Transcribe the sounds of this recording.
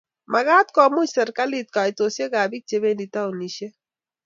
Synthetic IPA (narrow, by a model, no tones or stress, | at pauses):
mʔɐɡaːt̪kɔːmut͡ʃsɐɾkalit̪̚kaːjt̪oseɡaːbik̚t͡ʃeβenit̪auniʃe